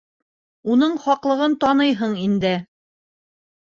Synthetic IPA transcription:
unɤɴχɑqlˠɤ̆ʁɤnt̪ɒnɤjɦɤɴind̪ɘ

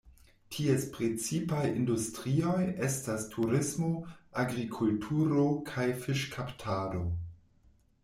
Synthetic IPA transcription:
tʰiespɾet͡sipajindustɾio̞je̞stastʰuɾismo̞aɡɾikʰultʰuɾo̞kʰajfiʃkʰaptʰaːdo̞

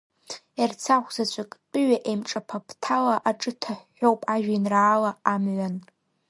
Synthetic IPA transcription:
ert͡sʰaχʷzat͡ʃʷʰakʼqʼɨɥaʔemʈ͡ʂʼapʰapʰtʰalaʔaʈ͡ʂʼɨtʰaħːowpʼaʒᶣinraːlaːmʕʷan

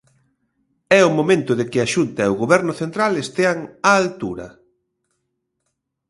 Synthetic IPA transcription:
ɛʊmomẽnt̪ʊðekɪaʃunt̪ɐeʊɣoβɛɾnʊθent̪ɾalest̪eaŋaːlt̪uɾɐ̰

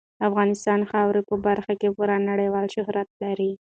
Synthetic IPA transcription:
afɣɑnɪst̪ɑnxɑwɾepəbaɾxakepuɾanːaɽəjwɑlʃʊhɾat̪̚laɾi

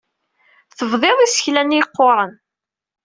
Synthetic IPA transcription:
θəvðˤeðˤisə̥çlænijqːoɾˤən

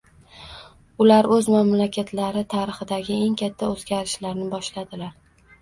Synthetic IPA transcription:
ʊlaɾɵzmamlakʲʰat̪ʰlaɾɪt̪ʰaɾɨχɪd̪aɡʲɪe̞ŋkʲʰat̪ʰːaɵzɡʲaɾɪʃlaɾnɪbɒʃlad̪ɪlaɾ

